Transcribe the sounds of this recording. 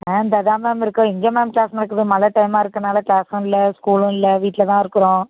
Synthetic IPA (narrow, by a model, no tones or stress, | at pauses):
meːnd̪ɐðaːmaːmɪɾɯkːɯ̃ɪŋɡɐmaːmklaːsnɐnɐkːɯðɯmɐlɐʈɐɪmaːɪɾɯkːɯnaːlɐklaːsɐ̃ɪlːɐskuːlʊ̃ɪlːɐʋiːʈːɪlɐt̪ãːɪɾɯkːɯɾõː